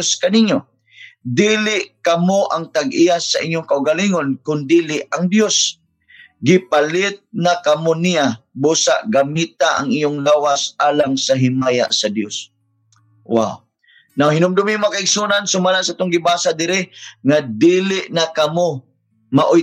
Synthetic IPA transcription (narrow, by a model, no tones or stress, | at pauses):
skɐniɲjo | d̪iːlɪʔkɐmoʔaŋt̪aɡʔijasaʔɪɲjʊŋkaʔʊɡaliŋonkʊnd̪iːlɪʔaŋd̪jos | ɡɪpalɪt̪̚nakɐmonijabuːsa̰ʔɡamit̪aʔa̰ŋijʊŋlaːwasʔaːlaŋsaɦɪmaːja̰ʔsɐd̪jos | wa̰w | nawhɪnʊmd̪ʊmimakaɪɡsunansʊmalasaaːt̪ʊŋɡɪbaːsad̪ɪɾɪŋad̪iːlɪʔnakɐmo | maʔʊ